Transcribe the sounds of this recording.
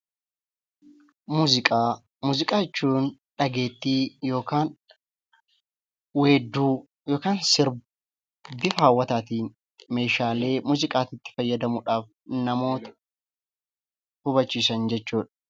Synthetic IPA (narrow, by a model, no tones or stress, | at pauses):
muɪkʼa | muːzɪkʼaːɛt͡ʃːuːnᶑɐɡe̞ːt̪ːiːjo̞ːkaːn | weːd̪ːuː | joːkaːnsɪɾ | bɪfaːwːɐt̪aːt̪iːn | me̞ːʃaːle̞ːmuːzɪkʼaːt̪ɪt̪ːɪ̥fɐjːɐd̪ɐmʊᶑaːf | nɐmo̞ːt̪ɐ̥ | hʊbɐt͡ʃːiːsɐnd͡ʒɛt͡ʃːuːᶑɐ̥